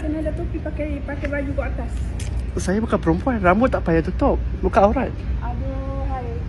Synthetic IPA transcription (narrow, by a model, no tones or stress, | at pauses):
bənalat̪upipakajpakajbad͡ʒukaat̪assajabukanpəɾumpuanrambʊt̪ːaʔpajat̪ut̪ʊp̚bukaoɾanadaɦaj